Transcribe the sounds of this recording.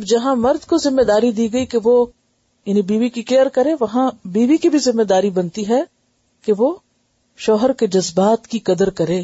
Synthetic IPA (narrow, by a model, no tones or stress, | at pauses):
ɐbd͡ʒɐɦãmɐɾd̪kozɪmːed̪aːɾid̪iːɡɐikeʋo | jaːnĩbiːʋikikeəɾkɐɾẽʋɐɦãbiːʋikibʱizɪmːeːd̪aːɾibɐnt̪iɦɛ | keʋoː | ʃɔːɦəɾked͡ʒɐzbaːt̪kikɐd̪əɾkɐɾẽː